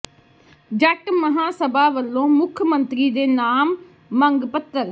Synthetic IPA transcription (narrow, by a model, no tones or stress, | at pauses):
d͡ʒəʈməɦãːsəbaːʋəlːõːmʊkʰmənt̪ɾiːd̪eːnaːmː | əŋɡpət̪ːəɾ